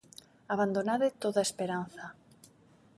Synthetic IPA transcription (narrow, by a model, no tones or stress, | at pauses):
aβand̪onaðɪt̪oðaespeɾanθɐ